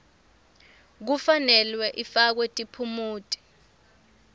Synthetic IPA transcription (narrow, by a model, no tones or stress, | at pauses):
k̬ufanɛlwɛʔifak̬wetʼipʰumuːtʼi̥